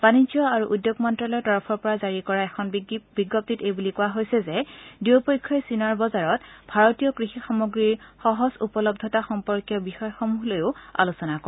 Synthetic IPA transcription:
b̥anid͡ʒɔaɹuʔudjoɡmɔntɹɔlɔɹtɔɹɔpʰɔɹpɔɹazaɹikɔɹaɛkʰɔnbiɡːɔp̚titejbulikʊwaɦojsɛzɛdiwpɔjkʰːɔjsinaɹbɔzaɹɔtbʱaɹɔtijɔkɹixixamoɡɹiɹxɔɦɔsupɔlɔbdʱɔtaxɔmpɔɹkijɔbixɔjxɔmuɦlojʊa̰lusɔnakɔ

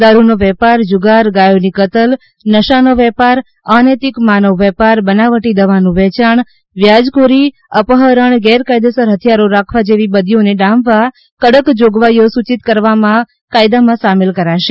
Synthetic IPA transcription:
d̪aɾunoʋɛpaɾd͡ʒʊɡaɾɡajonikət̪əl | nəʃanoʋɛpaɾ | anet̪ɪkmanəʋːɛpaɾbənaʋəʈid̪əʋanũʋɛt͡ʃaɳ | ʋjad͡ʒkoɾi | əpəɦəɾəɳɡɛɾkajd̪esəɾɦət̪ʰjaɾoɾakʰʋad͡ʒeʋibəd̪ijoneɖãmbʋa | kəɽəkd͡ʒoɡʋajosut͡ʃit̪kəɾʋamã | kajd̪amãsamelkəɾaʃe

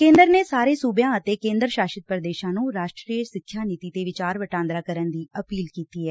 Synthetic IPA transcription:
kẽːnd̪əɾneːsaːɾeːsuːbjãːət̪eːkẽːnd̪ɾəʃaːʃɪt̪̚pɾəd̪eːʃãːnũːɾaːʃʈɾiːəsɪkʰjaːniːt̪iːt̪eːʋɪt͡ʃaːɾʋəʈãːnd̪ɾaːkəɾənd̪iːəpiːlkiːt̪iːɦɛː

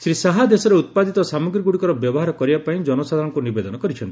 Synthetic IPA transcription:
sɾisaɦad̪esɔɾeut̪̚pad̪it̪ɔsamɔɡɾiɡuɽikɔɾɔbjɔbɔɦaɾɔkɔɾibapaĩd͡ʒɔnɔsad̪ʱaɾɔŋkunibed̪ɔnɔkɔɾit͡ʃʰɔnt̪i̥

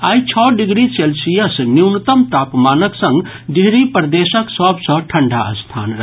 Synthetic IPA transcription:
ajt͡ʃʰɔɖiɡɾiselsijəsniwnət̪əmt̪apmanəksə̃ŋɡ | ɖiɦɾipəɾd̪esəksəbsə̃ʈʰəɳɖʱaəst̪ʰa̰nɾəɦ

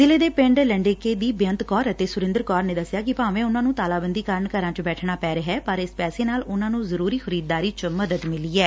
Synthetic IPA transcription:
zɪleːd̪eːpɪ̃ɳɖləɳɖeːkeːd̪iːbjə̃nt̪kɔːɾət̪eːsʊɾɪ̃nd̪əɾkɔːɾneːd̪əsjaːkɪpaːʋẽːʊnãːnũːt̪aːlaːbənd̪iːkaːɾəɳkəɾãːt͡ʃbɛːʈʰnaːpɛːɾəɦɛːpəɾɪspɛːseːnaːlʊnãːnũːzəɾuːɾiːxəɾiːd̪̚d̪aːɾiːt͡ʃməd̪əd̪mɪliːɛː

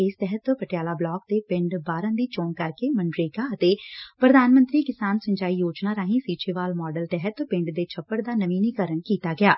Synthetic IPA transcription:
ɪst̪ɛɦət̪pəʈɪjaːlaːblɔːk̚t̪eːpɪ̃ɳɖbaːɾə̃ːd̪iːt͡ʃoːnkəɾkeːməɳɖɾeːkaːət̪eːpɾəd̪aːnmə̃nt̪ɾiːkɪsaːnsəɲd͡ʒaːiːjoːd͡ʒnaːɾaːɦĩːsiːt͡ʃeːʋaːlmɔːɖəlt̪ɛɦət̪pɪ̃ɳɖd̪eːt͡ʃʰəpːəɽd̪aːnəʋiːniːkəɾəɳkiːt̪aːɡɪjaː

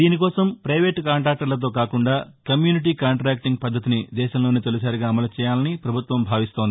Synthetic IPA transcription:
iːnikɔːsɐmpɾɐjʋeːʈkaːɳʈɾaːk̚ʈɐɾlɐt̪̬o̞ːkaːkuɳɖaː | kɐmjuːniʈ̬iːkaːɳʈɾaːk̚ʈiŋɡ̚pɐd̪ːɐt̪inid̪ɛːʃɐmlo̞ːnit̪e̞lus̬aːɾiɡaːɐmɐlɐt͡ʃɛːjaːlɐnipɾɐbʱut̪ʋɐmbʱaːʋist̪o̞ːnd̪i

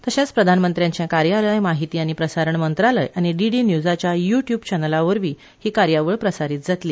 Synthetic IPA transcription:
t̪əɕãt͡spɾəd̪ʱanmənt̪ɾjãɲt͡ɕjãkaɾjaləjmaɦit̪iːaɽ̃ipɾəsaɾəɳmənt̪ɾalə̰jʔaɽ̃iɖiɖinjud͡zat͡ɕjajuʈjuːbt͡ɕɛnəlaʋəɾʋiː | hiːkaɾjaʋəɭpɾəsaɾiːt̪̚d͡zat̪liː

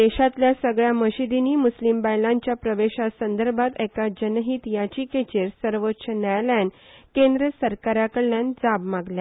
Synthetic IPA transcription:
d̪eɕat̪ljasəɡɭjaməɕid̪iniːmuslimbajlãɲt͡ɕjapɾəʋeɕasənd̪əɾbʱat̪ɛkad͡ʑənɦit̪jat͡ɕiket͡ɕeɾsəɾʋotːɕʰənajlankẽnd̪ɾəsəɾkaɾakəɽljand͡zabmaɡlja

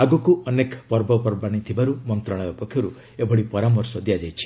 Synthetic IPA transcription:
aɡɔkuɔnekpɔɾbɔpɔɾbaɽ̃it̪ʰibaɾumɔnt̪ɾaɭ̃abɔpɔkʰjɔɾu | ebɔɽipɔɾamɔɾsɔd̪ijad͡ʒajt͡ʃʰi̥

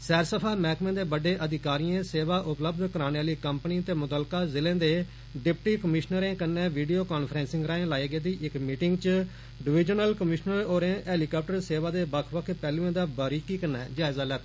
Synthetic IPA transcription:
sɛːɾsəpʰaːmɛːkmẽːd̪eːbəɖeːʔəd̪ɪkaːɾijãːseːʋaːʔʊpləbd̪kəɾaːneaːliːkəmpniːt̪eːmʊt̪əlkaːzɪlẽːd̪eː | ɖɪpʈiːkəmɪʃnəɾẽːkənːẽːʋiːɖijoːkaːnpʰɾɛ̃ːnsɪ̃ŋɡɾaːẽːlaːiːɡeːd̪iːʔɪkmiːʈɪŋɡt͡ʃ | ɖɪʋɪd͡ʒənəlkəmɪʃnəɾoːɾẽːʔɛːliːkaːp̚ʈəɾseːʋaːd̪eːbəkʰʋəkʰpɛːlũːẽːd̪aːbəɾiːkiːkənːɛ̰ːd͡ʒaːɪzaːlɛːt̪ː

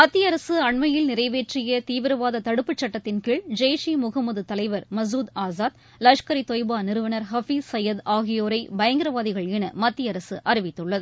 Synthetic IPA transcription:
mɐt̪ːɪjɐɾɐsɯɐɳmɐjɪlnɪɾɐɪʋeːʈrɪjɐt̪iːʋɪɾɐʋaːðɐt̪ɐɽɯpːɯt͡ʃːɐʈːɐt̪ːɪnkiːɭd͡ʒɐjʂimʊɣɐmːɐðɯt̪ɐlɐɪʋɐɾmɐs̬uːd̪aːzaːt̪̚ | lɐʂkɐɾit̪oːjbaːnɪɾɯʋɐnɐɾɦɐfisɐjɐd̪aːɣɪjoːɾɐɪbɐjɐŋɡɪɾɐʋaːðɪɣɐɭɛnɐmɐt̪ːɪjɐɾɐsɯʔɐɾɪʋɪt̪ːɯɭːɐðɯ

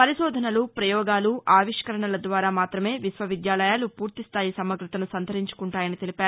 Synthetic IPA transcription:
pɐɾiʃɔːd̪ʱɐnɐlupɾɐjɔːɡaːluʔaːʋiʂkɐɾɐɳɐlɐd̪ʋaːɾaːmaːt̪ɾɐme̞ːʋisʋɐʋid̪jaːlɐjaːlupuːɾt̪ist̪ʰaːjisɐmɐɡɾut̪ɐnusɐnd̪ʱɐɾiɲt͡ʃu̥kuɳʈaːjɐnit̪e̞lipaːɾu

